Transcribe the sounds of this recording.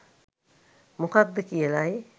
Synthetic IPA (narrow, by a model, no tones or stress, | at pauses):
mukad̪ːəkijəlaj